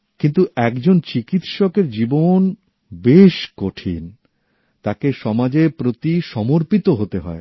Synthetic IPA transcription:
kint̪uɛkd͡ʑont͡ɕikit̪ʃɔkeɾd͡ʑibon | beʃkoʈʰḭn | t̪akeʃɔmad͡ʑepɾot̪iʃɔmoɾpit̪oɦot̪eɦɔe

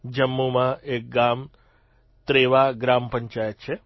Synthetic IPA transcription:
d͡ʒəmːumãek̚ɡam | t̪ɾeʋaɡɾampə̃ɲt͡ʃajət̪̚t͡ʃʰe

